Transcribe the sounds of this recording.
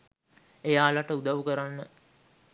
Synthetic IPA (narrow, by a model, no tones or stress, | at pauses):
ejaːlaʈəud̪aʋukəɾanːə